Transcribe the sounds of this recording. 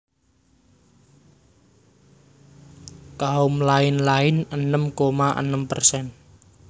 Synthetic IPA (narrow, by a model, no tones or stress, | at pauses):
kaʊmlaɪnlaɪnənəmkomaʔə̰nəmpərsɛn